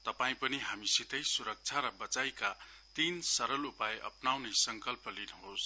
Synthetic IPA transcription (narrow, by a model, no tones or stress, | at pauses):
t̪ʌpaĩpʌniɦamisit̪ʌjsuɾʌk̚t͡sʰaɾʌbʌt͡sajka | t̪insʌɾʌlupajeʔʌ̰pnawnʌjsʌŋkʌlpʌlinuɦos